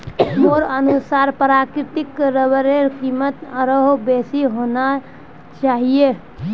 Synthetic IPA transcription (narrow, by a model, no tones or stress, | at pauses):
moɾənusaɾpɾakɾɪt̪ikɾəbəɾeɾkimət̪əɾəɦobesiɦona | t͡ʃaɦije